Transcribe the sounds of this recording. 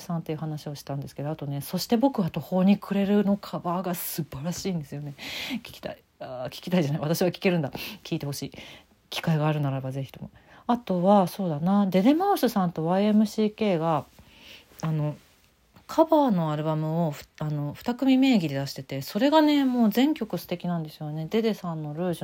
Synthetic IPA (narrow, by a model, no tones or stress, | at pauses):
sãnt̪e̞iɯ̟hanaɕio̞ɕi̥t̪ãnd̪esɨ̥ke̞d̪oat̪o̞ne̞so̞ɕi̥t̪e̞bo̞kɯ̟βat̪o̞ho̞ːɲ̟ikʰɯ̟ɾe̞ɾɯ̟no̞kʰabaːɡasɨbaɾaɕiːnd̪e̞sɨjo̞ne̞kʲi̥kʲi̥t̪a̰i | akʲi̥kʲit̪aiʑanaiβat̪aɕiβakʲi̥ke̞ɾɯ̟nd̪akʲʰiːt̪e̞ho̞ɕiː | kʲi̥kaiɡaːɾɯ̟naɾabaze̞çi̥t̪o̞mo̞̰ | at̪o̞βaso̞ːd̪anad̪e̞d̪e̞maɯsɨsãnt̪o̞βaie̞mɯ̟ɕiːke̞ːɡaː | no̞ | kʰabaːno̞aɾɯ̟bamɯ̟o̞ɸano̞ɸɯ̟̥t̪akɯ̟mʲime̞ːɡʲid̪e̞d̪aɕi̥t̪e̞t̪e̞so̞ɾe̞ɡane̞mo̞ːzẽ̞ŋkʲo̞kɯ̟sɨ̥t̪ekʲinãnd̪e̞sɨjone̞d̪e̞d̪e̞sãnːo̞ɾɯ̟ːʑ